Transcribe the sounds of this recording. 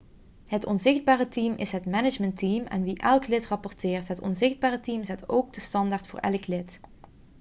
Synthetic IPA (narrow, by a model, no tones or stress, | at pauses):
ɦətɔnzɪχd̚baːrətimʔɪ̰sɦətmɛnɪd͡ʒməntimɛ̰nʋiʔɛlˠklɪtrɑpɔrtɪːrtɦətɔ̰nzɪχd̚baːrətimzɛtowɡ̚dəstɑndaːɹtfʊːɹʔɛ̰ləklɪt